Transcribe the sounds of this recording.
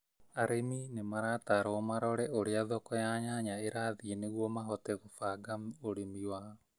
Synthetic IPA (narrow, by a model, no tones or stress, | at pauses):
aɾeminemaɾataɾɔːmaɾɔɾɛoɾeaðɔkɔjaɲaɲaeɾaːðieneɣwɔmaɦɔtɛɣofaɡamoɾemiwaːɔ